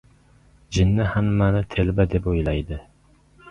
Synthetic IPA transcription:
d͡ʒɪnːɪhæmːænɪt̪ʰelbɛd̪epojlˠɑjd̪ɪ

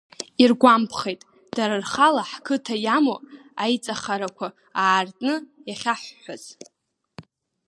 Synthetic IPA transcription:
irɡʷampʰχejtʼ | d̥aɾarχalaħkʰɨtʰajamoajt͡sʼaχaɾakʷʰa | aːrtʼnɨjaχʲaħʷːaz̥

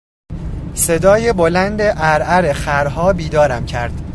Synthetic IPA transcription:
se̞d̪ɒːjebolænd̪e̞ʔæɾæɾexæɾɦɒːbiːd̪ɒːɾæmcʰæɾd̪̥

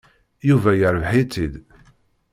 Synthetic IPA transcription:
juvæjəɾvħit͡sːid̪

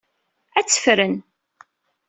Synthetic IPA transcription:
æt͡sːə̥fɾən

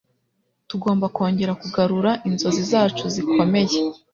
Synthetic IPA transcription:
tuɡo̞ːmbako̞ːɲɟe̞ɾakuɡaɾuɾaʔinzo̞zizaːt͡ʃuzikʰo̞me̞je̞

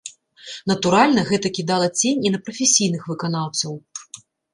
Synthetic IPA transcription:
nɐt̪uɾalʲnɐɣɛt̪ɐkʲid̪alˠɐt͡sʲenʲinɐpɾɐfʲesʲijn̪ɨxvɨkanawt̪sɐw

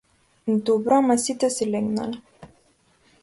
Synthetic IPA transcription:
d̪obɾɔmasit̪ɛsilɛɡna̰lɛ

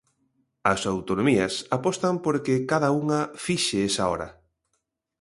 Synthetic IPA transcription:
ɐsawt̪onomiɐsapɔst̪ɐmpoɾkekaðauŋɐfiʃeesaɔ̰ɾɐ̰

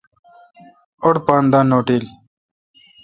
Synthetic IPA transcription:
oɽpaːnd̪aːnoːʈiːl

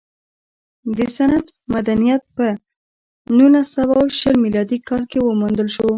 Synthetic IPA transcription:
d̪əsanad̪mad̪anijat̪̚pə | nulasawawʃəlmilɑd̪ikɑlkewəmund̪əlʃo

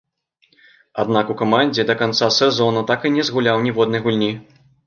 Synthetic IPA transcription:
ad̪̚nakukamanʲd͡zʲɛd̪ɐkant̪sasɛzɔnut̪akɨnʲɛzɣulʲawnʲɛvɔd̪̚nɐjɣulʲnʲi

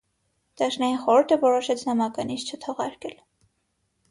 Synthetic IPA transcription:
d̪̥ɑʃnɑjinχɔɾuɾt̪ʰəvɔɾɔʃɛt͡sʰnɑmɑkɑniʃt͡ʃʰət̪ʰɔʁɑɾkɛl

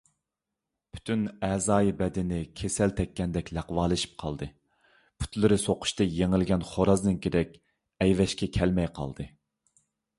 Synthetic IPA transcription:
pʰy̥t̪ʰynɛzɑːjibɛd̪ɪnɪkʲʰesɛlt̪ʰɛkʲːɛnd̪ɛkʲlæqwɑːlˠɨʃi̥p̚qʰɑ̰lˠd̪ɨ | pʰu̥t̪lɨɾɨsoqʰʊ̥ʃt̪ɑjeŋɪlɡʲɛnχoɾɑznɨnkʲeɾɛkʲ | ɛjvɛʃkʲɛkʲʰɛlmɛjqʰɑ̰lˠd̪ɨ

